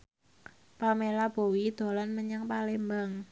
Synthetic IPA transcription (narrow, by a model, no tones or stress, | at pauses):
pamelab̥o̤wid̪̥o̤lanməɲaŋpalembaŋ